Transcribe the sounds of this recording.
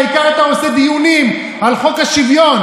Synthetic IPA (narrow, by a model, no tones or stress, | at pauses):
ikaat̪aosed̪ijunim | alχo̞khaʃivjo̞n